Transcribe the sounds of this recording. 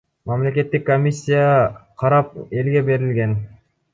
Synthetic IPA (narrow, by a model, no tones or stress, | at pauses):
mamle̞k̬ʲe̞t̪ːikːomʲisʲːijaqʰɑɾɑp̚e̞lɡʲe̞be̞ɾilɡe̞n